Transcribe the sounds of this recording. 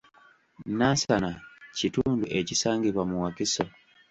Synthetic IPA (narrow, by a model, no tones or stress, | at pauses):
nasanacituːnduʔecisaːŋɡiβwamuwakiso